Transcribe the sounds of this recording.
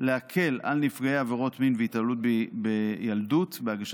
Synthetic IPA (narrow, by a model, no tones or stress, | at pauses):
leakʰe̞la̰lnifɡaeaveʁo̞tminveitalut̚bbejaldutbeaɡaʃ